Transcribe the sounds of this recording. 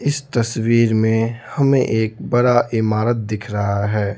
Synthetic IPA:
ɪst̪ɐswiːɾmẽhɐmẽʔeːk̚bɐɽaʔɪmaːɾət̪̚d̪ɪkʰɾɐɦaɦɛː

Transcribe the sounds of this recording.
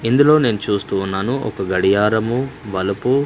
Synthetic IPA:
ind̪ulo̞ːne̞ːnut͡ʃuːst̪uːnːaːnuʔɔ̰kɐɡɐɽijaːɾɐmuʋɐlɐpu

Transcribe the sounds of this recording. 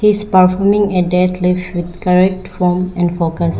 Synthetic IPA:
hizpəɾfɔːmɪ̃ŋeɖɛt̪lɪfʃʋɪd̪kəɾɛk̚ʈfɔːmɛ̃ɳɖfoːkəs

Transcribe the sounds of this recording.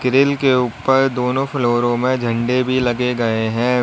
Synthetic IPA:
kɪɾɪlkeuːpəɾd̪oːnõfʰloːɾõmẽd͡ʒʱɐ̃ɳɖebʱilɐɡeɡɐeɦɛ̃

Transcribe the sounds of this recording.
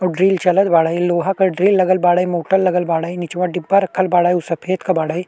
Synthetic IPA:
ɔɖɾiːlt͡ʃɐləd̪̚baːɽaːjloːɦakɐɖɾiːlːɐɡəlbaːɽaːimoːʈəlːɐɡəlbaːɽaːjnɪt͡ʃʋaɖɪbːaɾɐkʰːəlbaːɽaːjusɐpʰeːt̪kɐbaːɽaːj

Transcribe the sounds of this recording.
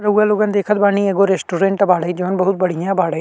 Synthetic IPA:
ɾɐuːaloːɡənd̪eːkʰət̪̚baːnieɡoɾeːsʈuːɾẽːɳʈɐbaːɽəid͡ʒoːnbɐɦʊt̪̚bɐɽ̤ijãbaːɽə

